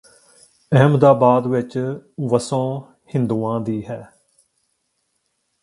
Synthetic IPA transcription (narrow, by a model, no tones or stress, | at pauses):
ɛɦmd̪aːbaːd̪ʋɪt͡ʃʋəsõː | hɪ̃nd̪uːãːd̪iːɦɛː